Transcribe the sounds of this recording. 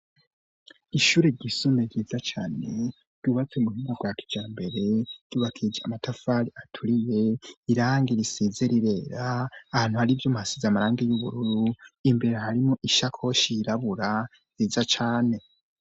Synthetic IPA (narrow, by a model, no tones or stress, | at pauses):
iʃuːɾeɾɟisomeɟiːzat͡ʃaːne̞̰ | ɾ̥ɟ̥uːβat͡semuhinɡaɡwaki̥d͡ʒaːmbe̞ɾe̞ɾ̥ɟ̥uːβakʰid͡ʒeamatʰafaɾiatʰuɾije̞iɾaːŋɡiɾisizeɾiɾe̞ːɾaːhaːn̥huhaɾivjomuhasizamaɾaːŋɡejuβṵɾuɾuimbe̞ɾehaɾimoʔiʃakʰo̞ʃiiɾaβuɾa | ziːzat͡ʃaːne̞